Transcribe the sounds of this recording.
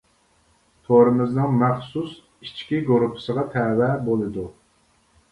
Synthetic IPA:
t̪ʰoɾɨmɪznɨŋmæχsus | it͡ʃʰkʲiɡoɾupʰɪ̥səʁɑt̪ʰɛːwɛbolˠɨd̪u

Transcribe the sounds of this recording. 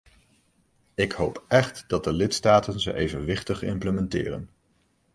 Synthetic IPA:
ɪkɦowpɛχtd̥ɑt̚dəlɪtstaːtənzə̰ʔejvənʋɪχtəχɪ̰mpləmɛntɪ̰ːrə̰n

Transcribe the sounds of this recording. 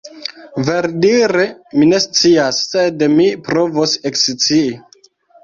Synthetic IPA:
ve̞ɾdiɾemine̞st͡siasːedmipɾo̞vosekst͡sii

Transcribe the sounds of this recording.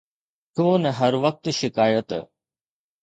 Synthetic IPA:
huoːnɛɦɐɾʋɐk̚t̪ʃɪkaːjət̪

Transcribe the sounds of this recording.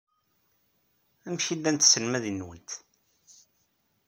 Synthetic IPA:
æmʃid̪ːænt̪səlmæðinːwənt̪

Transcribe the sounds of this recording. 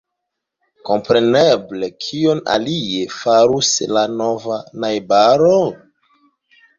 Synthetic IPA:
ko̞mpɾe̞neblekʰiona̰liefaɾuslanovanajbaɾo

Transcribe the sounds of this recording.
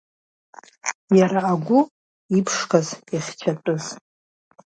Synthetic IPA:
jaɾaːɡʷʊ | ipʰʂkʰaziχʲt͡ʃʰatʼʊz

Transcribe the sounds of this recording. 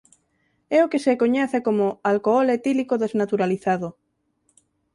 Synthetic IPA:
ɛokesekoɲɛθekomoalkoɔlet̪ilikoðeznat̪uɾaliθaðo

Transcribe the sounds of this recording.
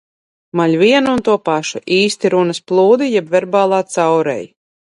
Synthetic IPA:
malʲvʲiɛnuːnt̪uɔpaʃuʔiːst̪iɾunɐsplˠuːd̪ijɛbvɛɾbaːlˠaːt̪sawɾɛ̰j

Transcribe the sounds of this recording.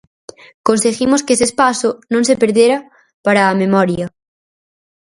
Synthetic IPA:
konseɣimoskesespasʊnõŋsepeɾðjeɾɐ | paɾaːmemɔɾjɐ

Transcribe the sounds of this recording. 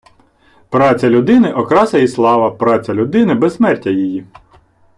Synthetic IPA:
pɾɑt͡sʲɐlʲʊd̪ɪnɪʔɔkɾɑsɐjislˠɑʋɐpɾɑt͡sʲɐlʲʊd̪ɪnɪbɛssmɛrtʲːɐjiji

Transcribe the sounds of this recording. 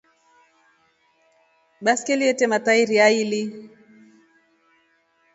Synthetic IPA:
ɓaskɛliɛtɛmataiɾiaili

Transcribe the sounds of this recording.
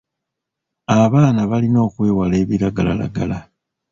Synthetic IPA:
aβaːnaβalino̞ːkwe̞ːwale̞ːβiɾaɡala̰la̰ɡala

